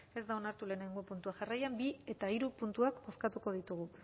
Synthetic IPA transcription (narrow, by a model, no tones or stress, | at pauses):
e̞zd̪ao̞naɾt̪ule̞ːne̞ŋɡo̞punt̪uaʝarajambie̞t̪aiɾupunt̪uakbo̞skat̪uko̞ð̞it̪uɣ̞u